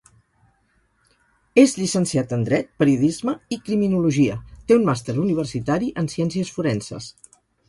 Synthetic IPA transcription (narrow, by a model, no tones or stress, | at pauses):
ezʎisənsiat̪ənd̪ɾɛt̪̚pəɾiuðizməikɾiminuluʒiət̪eunmast̪eɾuniβ̞ərsit̪aɾiʔənsɛnsiəsfuɾɛnsə̰s